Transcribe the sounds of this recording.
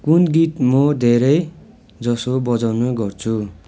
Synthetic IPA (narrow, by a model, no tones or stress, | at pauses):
kunɡit̪mʌd̪ʱeɾʌj | d͡zʌsobʌd͡zawnoɡʌrt͡sʰu